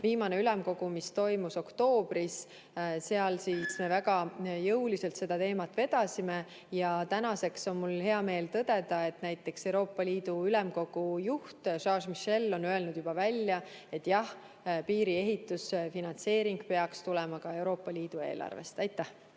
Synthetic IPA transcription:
viːmɑneylɛmko̞ɡ̥umist̪o̞jmuso̞kt̪o̞ːb̥ɾis | se̞ɑlsisme̞væɡɑjɤwlise̞lt̪se̞d̪̥ɑt̪e̞ːmɑt̪ːˑve̞d̪̥ɑsime̞ | jɑt̪ænɑse̞kso̞nmulhe̞ɑme̞ːlt̪ɤd̪̥e̞d̪ɑe̞t̪næjt̪ːˑe̞ksewɾo̞ːpːˑɑliːd̪̥uylɛmko̞ɡ̥ujuht̪ʃɑːʃmiʃe̞lːo̞nye̞lnud̪̥jub̥ɑvælʲːjɑe̞t̪ːjɑh | piːɾie̞ɦit̪ːˑusfinɑnt̪se̞ːɾiŋɡ̥peɑkst̪ulɛmɑkɑe̞wɾo̞ːpˑːɑliːd̪̥ue̞̰ːlʔɑ̰rvḛst̪ɑjt̪ːˑæh

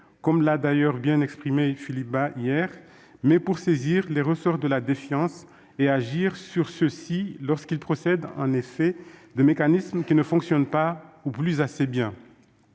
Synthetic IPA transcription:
kɔmlad̪ajœʁbjɛ̃nɛkspχimefilip̚baʔijɛʁ | mɛpuʁseziʁleʁəsɔʁd̪əlad̪efjɑ̃s | eaʒiʁsyʁsəsilɔʁskilpχɔsɛd̪ɑ̰̃nefɛd̪əmekanismkʲinəfɔ̃ksjɔnpauplyzasebjɛ̃

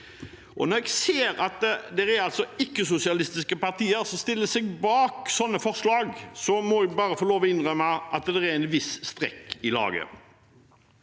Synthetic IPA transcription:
ʔɔnɔɛɡseːɾɑt̪d̪ɛɾɛɾɑlt̪sɔɪkːəsʊsɪɑlɪst̪ɪskəpɑʁt̪iːəɾsɔmst̪ɪlːəsɛɡbɑːksɔnːəfɔʁslɑːɡsɔmɔɛɡbɑːɾəfɔloːʋɔɪnʁœmːəʔɑt̪d̪ɛɛɪnʋɪsst̪ʁɛ̰kːɪlɑ̰ːɡə̰

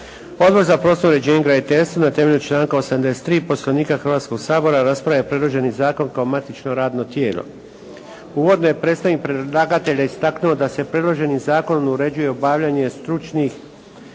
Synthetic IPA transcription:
o̞d̪̚bo̞ɾzapɾo̞snoɾe̞d͡ʑe̞ːɲeɡɾanit̪est̪ʋanat̪eme̞ʎʲut͡ʃlˠaːŋkaosamd̪ese̥t̪ɾiːpo̞slaniːkaxrʋaːt̪sko̞ɡsaːbo̞ɾaɾaspɾaʋjapɾe̞d̪lˠoʒe̞nizaːko̞nkaomat̪it͡ʃno̞ɾaːd̪no̞t̪jeːlo̰ | uʋo̞d̪noje̞pɾe̞t̪st̪aʋikpɾelˠaɡat̪e̞ʎaist̪aknuo̞d̪asepɾe̞d̪lˠoʒe̞nizaːko̞nonuɾe̞d͡ʑuje̞obaːʋʎaɲe̞st̪ɾut͡ʃnix

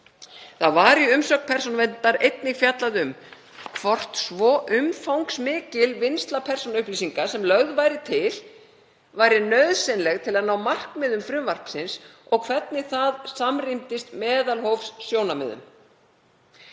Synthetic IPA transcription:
θaðvaːɾɪʏmsœkpʰɛr̥sɔnvɛnt̪aɾejt̪nɪɣfjat̪laðʏm | kʰvɔr̥t̪svɔʔʏmfawŋksmɪːcɪlvɪnst̪lapʰɛr̥sɔnaʏhpliːsiŋkasɛmlœɣðvaːjɾɪt̪ʰɪl | vaːjɾɪnœɥðsɛnlɛɣt̪ʰɪlaðnaːwmar̥kmɪðʏmfɾʏmvar̥psɪnsɔɣkʰvɛt̪̚nɪθaðsamrimt̪ɪst̪mɛːðalhowfsːjownamɛ̰ðʏ̰m

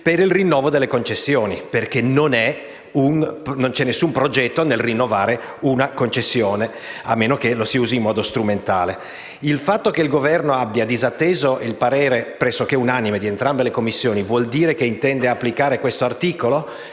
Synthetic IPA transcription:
peɾilrinːɔːvod̪elːekont͡ʃesːjoːniperkenonɛ | unːont͡ʃɛnːesːumpɾod͡ʒɛt̪ːonelrinːovaːɾe | unakont͡ʃesːjoːne | a̰mːeːnokelosiuːziːmːɔːd̪ost̪ɾument̪aːle | ilfat̪ːokeilɡovɛrnoabjad̪izat̪ːeːzoʔilpaɾeːɾepɾɛsːokeunanːimed̪ient̪ɾambelekomːisːjoːnivwɔld̪iːɾekeint̪ɛnd̪eapːlikaːɾekwest̪oart̪iːkolo

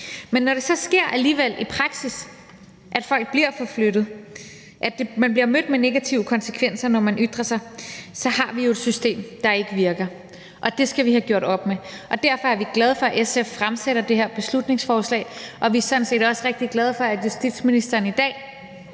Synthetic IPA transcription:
menːɒɾ̥e̝sɒ̽sɡ̥e̝ɐ̰ʔæliːʋel̰ipʰʁɑ̈ɡ̥sis | ʔæd̥fɒ̽l̰ɡ̥̚b̥liɐ̰fɒ̽fløɾ̥ð̞̩ˠ | ʔæd̥e̝mænb̥liɐmød̥mene̝ɡ̥æt͡sʰiʊəkʰɒ̽nsə̥kʰʋen̰sɐnɒmænʔyd̥ʁɐsɑ̈ɪsɒ̽ɦɑ̈ʋijo̝e̝d̥sysd̥e̝̰ːmd̥ɑ̈e̝ɡ̥əʋiɐɡ̥ɐ | ʔɒ̽d̥e̝sɡ̥æʋiɦæɡ̥jo̰ɐ̰ɾ̥ɒ̽b̥meʔɒ̽d̥æɐ̰fɒ̽æɐʋiɡ̥lɛð̞ˠfɒ̽æʔesefːʁamseɾɐd̥e̝ɦeɐb̥e̝slud̥ne̝ŋsfɒːslɛ̰ːɪʔɒ̽ʋisɒ̽n̩se̝̰ːd̥ɒ̽sʁeɡ̥̚d̥iɡ̥lɛð̞ˠfɒ̽æjusd̥id̥sminisd̥ɐːnid̥ɛ̰ː

